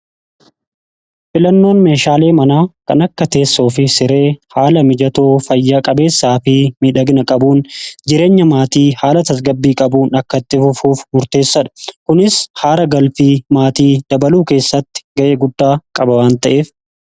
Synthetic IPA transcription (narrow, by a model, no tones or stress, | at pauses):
fɪlɐnːo̞ːnme̞ːʃaːle̞ːmɐnaːkɐ̰nɐkːɐt̪e̞ːsːo̞ːfɪsɪɾe̞ːhaːlɐmɪd͡ʒɐt̪oːfɐjːaːkʼɐbe̞ːsːaːfɪmiᶑɐɡnɐkʼɐbuːnd͡ʒɪɾe̞ːɲːɐmaːt̪iːhaːlɐt̪ɐs̬ɡɐbːiːkʼɐbuːnɐkːɐɪt̪ːɪfʊfuːfmʊɾt̪e̞ːsːɐᶑɐ̥kʊnɪshaːɾɐɡɐlfiːmaːt̪iːd̪̥ɐbɐluːke̞ːsːɐt̪ːɪ̥ɡɐʔe̞ːɡʊd̪ːaːkʼɐbɐwaːnt̪ɐʔeːf